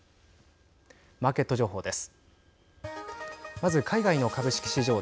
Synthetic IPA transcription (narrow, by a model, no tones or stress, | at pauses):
maːke̞t̪ːo̞ʑo̞ːɦo̞ːd̪e̞sɨ̥ | mazɨkʰaiɡaino̞kabɯ̟ɕi̥kʲi̥ɕiʑo̞ː